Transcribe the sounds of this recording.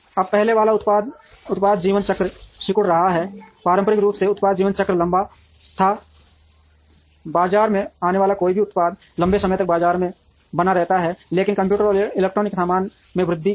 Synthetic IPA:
ɐb̚pɛɦleʋaːlaʊt̪paːd̪ | ʊt̪paːd̪d͡ʒiːʋənt͡ʃəkɾʃɪkʊɽɾɐɦaɦɛpaːɾə̃mpəɾɪkɾuːpseʊt̪paːd̪̚d͡ʒiːʋənt͡ʃəkɾəlɐ̃mba | t̪ʰa | baːd͡ʒaːɾmẽaːneʋaːlakoːibʱiʊt̪paːd̪̚ | lɐ̃mbesɐməjt̪ɐk̚baːd͡ʒaːɾmẽ | bənaɾɛɦt̪aɦɛleːkɪnkɐ̃mpjuːʈəɾɪleːk̚ʈɾoːnɪksaːmaːn | mẽʋɾɪd̪ʱːi

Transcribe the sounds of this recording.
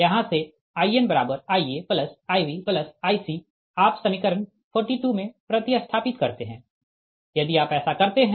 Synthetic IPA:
jɐɦãse | aːienbɐɾaːbəɾaːiepləsaːiʋipləsaːisi | aːpsɐmɪkəɾən | pʰɔːɾʈiʈumẽpɾɐt̪ɪjəst̪ʰaːpɪt̪kɐɾt̪eɦɛ̃ː | jɐd̪iaːpɛːsakɐɾt̪eɦɛ̃

